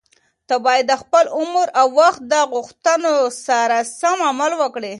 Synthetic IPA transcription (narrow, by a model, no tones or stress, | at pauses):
t̪abɑjad̪ːəxpəlʊməɾawːaxt̪̚d̪əɣʊxt̪ənosaɾasamamalwəkɽe